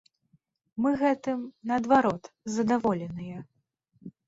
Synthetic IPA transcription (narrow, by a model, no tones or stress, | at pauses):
mɨɣɛt̪ɨmnɐɐd̪vaɾɔt̪zɐd̪avɔlʲɛnɨjɐ